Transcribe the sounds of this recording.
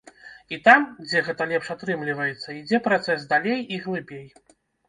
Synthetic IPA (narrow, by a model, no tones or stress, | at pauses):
it̪amd͡zʲɛɣɛt̪ɐlʲɛpʂat̪ɾɨmlʲivɐjɛt̪sːɐid͡zʲɛpɾat̪sɛsd̪alʲejiɣlˠɨbʲej